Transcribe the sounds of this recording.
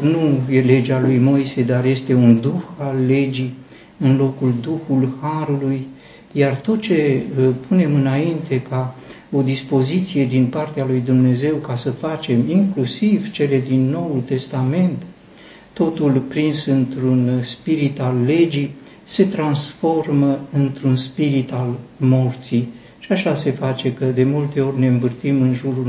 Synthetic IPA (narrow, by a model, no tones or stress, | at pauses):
nuje̞le̞d͡ʒalujmo̞jse̞d̪arje̞st̪e̞und̪uxalːe̞d͡ʒi | ɨnlo̞kuld̪uxulhaɾuluj | jart̪o̞t̪̚t͡ʃe̞pune̞mɨnaint̪e̞kʰa | o̞d̪ispo̞zit̪sije̞d̪inpart̪ealujd̪umne̞ze̞wkasəfat͡ʃe̞miŋklusivt͡ʃe̞le̞d̪inːo̞wult̪e̞st̪ame̞nt̪ː | o̞t̪ulpɾinsɨnt̪ɾunspiɾit̪alːe̞d͡ʒi | se̞t̪ɾansfo̞rməɨnt̪ɾunspiɾit̪almo̞rt̪si | ʃiaʃase̞fat͡ʃe̞kəd̪e̞mult̪e̞o̞rʲne̞ɨɱvɨrt̪imɨnʒuɾu